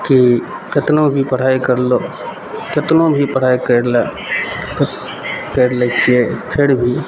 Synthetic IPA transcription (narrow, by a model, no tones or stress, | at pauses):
ki | kɪt̪nõbʱipəɽ̤aːikɐɾlo | kɪt̪nõbʱipəɽ̤aːekəɾlː | kəɾlet͡ʃʰiepʰɪɾbʱiː